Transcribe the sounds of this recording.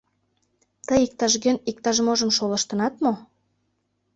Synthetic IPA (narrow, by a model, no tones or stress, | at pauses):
t̪əjik̚t̪ɑʒɣønik̚t̪ɑʒmoʒə̆mʃolə̆ʃt̪ə̆nɑt̪mo